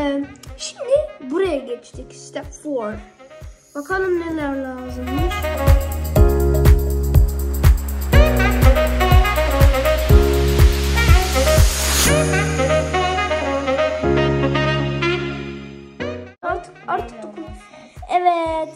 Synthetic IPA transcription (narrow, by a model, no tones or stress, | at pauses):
ʃimd̪ɪbuɾajaɡɛt͡ʃt̪ʰikst̪ɛpfoɾ | bakʰanˠɯmnɛlæɾlaːzɯmmɯɾ | ʃi | aɾt̪ʰɯ̥kaɾt̪ʰɯ̥k̪̚ukʰ | ɛvɛt̪